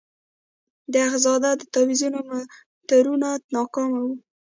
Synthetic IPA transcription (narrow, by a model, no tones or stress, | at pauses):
d̪əaɣzɑd̪ad̪ət̪ɑwizunoma | t̪aɾunat̪nɑkɑmawu